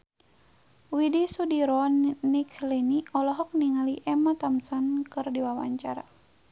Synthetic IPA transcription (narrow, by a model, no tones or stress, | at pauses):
widisudiɾɔnnikliniɔlɔɦɔk̚niŋaliʔɛmat̪amsankɨrdiwawa̰ɲt͡ʃaɾa̰